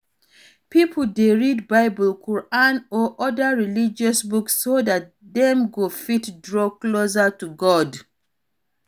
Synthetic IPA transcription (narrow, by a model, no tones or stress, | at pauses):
pipʰl̩deɹidbaɪbɔlkʰɔɹanɔʔɔdaɹilid͡ʒɔsbuksːodat̚ | dɛ̃mɡofitdɹɔklozatuɡɔd